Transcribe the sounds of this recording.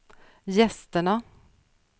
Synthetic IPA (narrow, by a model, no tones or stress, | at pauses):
jɛst̪əɳa